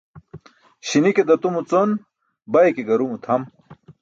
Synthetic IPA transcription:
ɕiniked̪ɐt̪umut͡son | bɐjkeɡɐɾumut̪ʰɐm

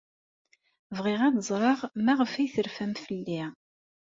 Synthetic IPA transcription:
vʁɪʁɑðzˤɾˤɑʁmæʁəfæjθəɾfæmfəlːi

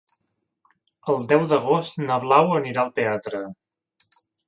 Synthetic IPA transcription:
əlˠd̪ɛwd̪əɣost̪nəβlawəniɾaəlˠt̪eat̪ɾə

